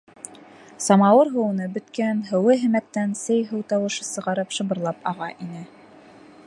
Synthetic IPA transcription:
sɑmɑwɤɾɦɤ̆wɤ̆nɤbɵ̆t̪kænɦɘ̆wɘɦɘ̆mæk̚t̪ænsɘjɦɤwt̪ɑwɤ̆ʃɤsɤ̆ʁɑɾɤpʃɤ̆bɤ̆ɾlˠɑpɑʁɑʔinɘ

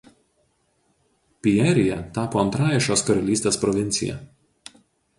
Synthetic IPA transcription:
pʲiɛɾʲɪjɛt̪ɑːpoːɐnt̪ɾɑːjɛʃʲoːskɐɾɐlʲiːst̪ʲeːspɾɔʋʲɪnʲt̪sʲɪ̰jɛ̰

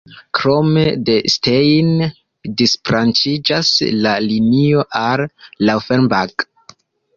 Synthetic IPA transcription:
kɾo̞me̞de̞stejn | disfɾant͡ʃid͡ʒaslalinioʔalːawfenbak

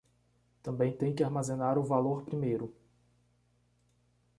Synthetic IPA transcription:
t̪ɐ̃mbẽj̃t̪ẽj̃kɪaɾmazẽnaɾʊvaloɾpɾimejɾʊ

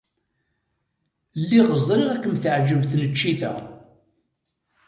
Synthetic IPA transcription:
lːiʁəzˤɾiʁækːəmθəʕd͡ʒəvθnət͡ʃːiθæ̰

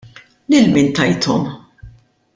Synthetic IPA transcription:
lɪlmɪːnt̪ɐjt̪ʰɔ̰m

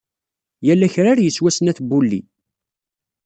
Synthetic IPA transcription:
jælːæçɾaɾjəswæsnæθbulːḭ

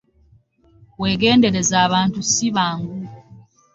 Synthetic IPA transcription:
weːɡe̞ːnde̞ɾe̞zaːβaːntusiβaːŋɡu

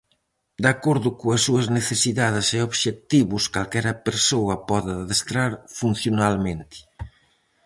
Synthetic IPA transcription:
d̪akoɾðʊkoɐsːuɐzneθesiðaðɪseoβʃek̚t̪iβʊskalkɛɾɐpeɾsowɐpɔðaðest̪ɾaɾfun̟θjonalmẽnt̪ɪ̥

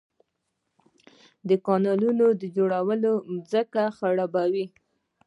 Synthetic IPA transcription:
d̪əkɑnɑlunod̪əd͡ʒoɽawəlomzəkaxaɽabawi

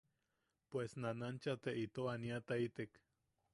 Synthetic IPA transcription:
pwesnanant͡ʃat̪eʔit̪oaniat̪ait̪ek

